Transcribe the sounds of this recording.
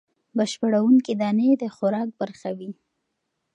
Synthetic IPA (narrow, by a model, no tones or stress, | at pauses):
bəʃpəɽawuŋkid̪ɑned̪əxʊɾɑk̚baɾxawi